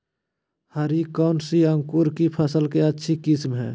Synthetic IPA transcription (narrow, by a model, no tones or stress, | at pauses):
həɾikɔːnsiə̃ŋkuːɾkipʰəsəlkeətːʃʰikɪsmɦɛ̰ː